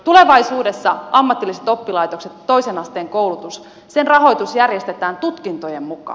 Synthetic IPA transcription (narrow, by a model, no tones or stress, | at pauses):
t̪ule̞ʋɑisuːde̞sːɑɑmːɑt̪ːilːiset̪o̞pːilɑjt̪o̞kse̞t̪ːo̞isenɑst̪eːŋko̞wlut̪us | se̞nrɑɦo̞jt̪usjærjest̪e̞t̪æːnt̪ut̪kint̪ojemmukɑ̰ː